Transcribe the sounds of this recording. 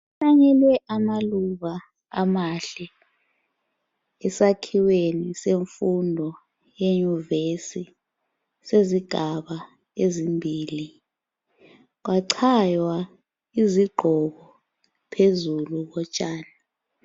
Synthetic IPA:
ɬaɲɛlwɛʔamaluβaː | maɬɛ | ɛsakʰiweniseɱfundʱɔ | jeɲuvesi | seziɡ̥ʱaɓa | ezimbʱiːli | k̬waǀʰajwa | iziɡ͡ǃʱɔɣɔ | pʰezuluɓɔt͡ʃʼaːni

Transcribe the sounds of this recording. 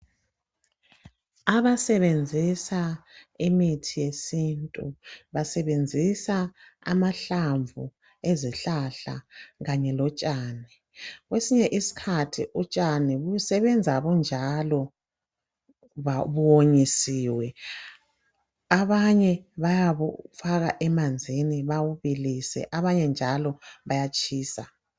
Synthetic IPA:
aβasɛβend͡zʱisaimitʰijesintʼuβasɛβend͡zʱisa | a̰maɬaɱvu | eziɬaɬa̰ɣaɲɛlɔt͡ʃʼaːni | ɣwesiɲɛʔisi̥kʰatʰḭʔut͡ʃʼaniβujusɛβɛnd͡zʱaβɔnd͡ʒʱalɔ | aβuwoɲisiwɛ | aβaɲɛβajaβufaɣaʔɛmand͡zʱiniβawuβilisɛ̰ʔaβaɲɛnd͡ʒʱalɔβajat͡ʃʰʼiːsa

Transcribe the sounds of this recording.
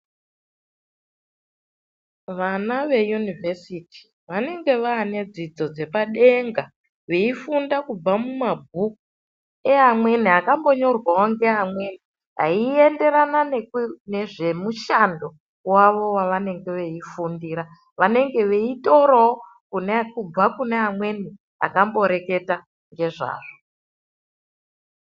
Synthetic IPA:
ʋanaʋe̞junivesitʰi̥ | ʋane̞ŋɡe̞ʋaɦːne̞d͡zid͡zo̞d͡ze̞paɗe̞ŋɡa | ʋe̞ifundakub͡vamumab̚ʱuku | e̞ɦamwe̞niɦakambo̞ɲo̞rwaoŋɡe̞ɦamwe̞ni | ɦa̰ie̞nde̞ɾananneʐe̞muʃando̞ | waʋo̞waʋane̞ŋɡe̞ʋe̞ifundiɾa | ʋane̞ŋɡe̞ʋe̞ito̞ɾoo | kunekub͡vakune̞ɦamwe̞ni | a̰kambo̞ɾe̞ke̞ta | ŋɡe̞ʐa̰ːʐo

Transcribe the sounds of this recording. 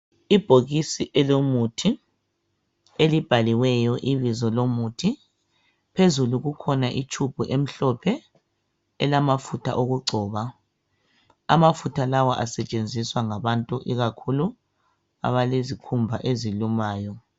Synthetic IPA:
ib̥ʱoɣisiʔɛlomutʰi | elib̥ʱaliwɛjɔʔiβizɔlomutʰi | pʰezuluɣukʰɔnaʔit͡ʃʰub̥ʱuʔem̩ɬɔpʰɛ | ɛlamafutʰa̰ʔoɣuɡ͡ǀʱɔːβa | a̰mafutʰalawɔʔasɛt͡ʃʼend͡zʱiswaŋaβantʼuʔiɣakʰulu | a̰βalezikʰumbʱaʔezilumaːjɔ

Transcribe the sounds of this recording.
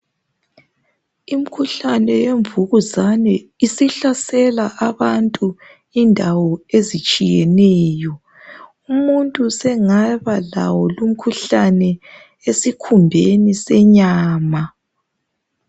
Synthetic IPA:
im̩kʰuɬanɛjeɱvuɣuzanɛisiɬasɛlaʔaβantʼu | indʱawɔezit͡ʃʼijɛnɛːjɔ | umuntʼusɛŋaβala̰wɔlum̩kʰuɬanɛ | esikʰumbʱenisɛɲaːma

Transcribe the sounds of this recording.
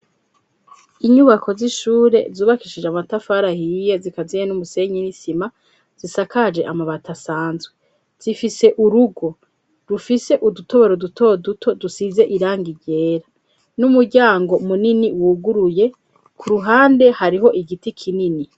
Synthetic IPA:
iɲuβako̞ziʃuːɾe̞̰zuːβakiʃid͡ʒamatafaɾahijezikazijenumuse̞ɲinisima | z̥isakad͡ʒe̞ʔamaβatasaːnzɡwe | z̥ifise̞ʔuɾuɡo̞ | ɾufise̞ʔudutʰo̞βe̞ɾodutʰo̞dutʰo̞dusize̞ʔiɾaːŋɡiɟe̞ːɾa | numuɟaːŋɡo̞muniniwuɡuɾuje̞ | kʰuɾuɦaːnde̞haɾiɦo̞ʔiɡitikʰinini

